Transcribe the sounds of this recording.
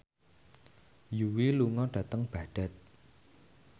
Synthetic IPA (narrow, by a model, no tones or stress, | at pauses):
juwiluŋɔɖ̥ä̤t̪əŋb̥a̤ɖ̥a̤t̪̚